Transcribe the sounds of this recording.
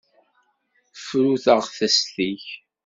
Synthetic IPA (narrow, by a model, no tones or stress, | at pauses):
fɾuθəʁθæsθiç